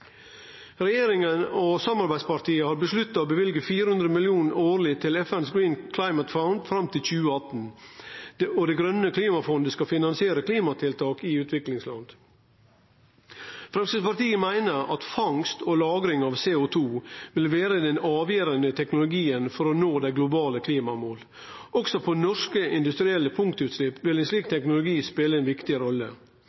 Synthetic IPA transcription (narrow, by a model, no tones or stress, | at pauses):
ɾɛjeːɾɪŋənosɑmɑɾbæɪd̪spɑɾt̪ʰiːəhɑːɾbəslʉt̪ːɑoːbəʋɪlɡəfiːɾəhʉnd̪ɾəmɪlɪuːnoːɾlɪt̪ʰɪlɛfɛnsɡɾiːnkʰlɑɪmət̪faʊnd̪fɾɑmt̪ʰɪlçʉːəɑt̪n̩ | ɔd̪ɛɡɾœnəkʰliːmɑfɔnd̪əskɑfɪnɑnsɪeːɾəkʰliːmɑt̪ʰɪlt̪ʰɑːkɪʉːt̪ʰʋɪklɪŋslɑ̰nd̪̥ | fɾɛmsəspɑɾt̪iːəmæɪnəɾɑ̰t̪fɑŋst̪ɔlɑːɡɾɪŋɑʋseːʊt̪ʰuːʋɪlʋeːɾəd̪ɛnɑːʋjeːɾənət̪ʰɛknʊlʊɡiːənfɔɾɔnoːd̪æɪɡlʊbɑːləkʰliːmɑmoːl | ʔɔksɔpʰɔnɔʂkəɪnd̪ʉst̪ɾɪɛlːəpʰʊŋkt̪ʉt̪slɪpːʋɪlɛnsliːk̚t̪ʰɛknʊlʊɡiːspeːləɛɪnʋɪkt̪ɪɾɔlːə̰